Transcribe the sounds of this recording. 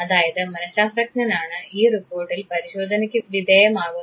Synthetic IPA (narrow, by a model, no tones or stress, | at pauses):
ɐðaːjɐðɨmɐnɐsaːsɾɐknɐnaːɳɨiːripoːrʈːilpɐɾiɕoːd̪ʱɐnɐkʲːɨʋid̪ʱeːjɐmaːɡu